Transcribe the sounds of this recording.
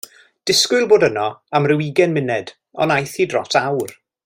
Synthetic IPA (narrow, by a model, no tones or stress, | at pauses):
d̥ɪskʊlˠboːdənɔamrɪwiɡɛnmɪnɛd̥ | ɔ̰najθiːdrɔtʰawr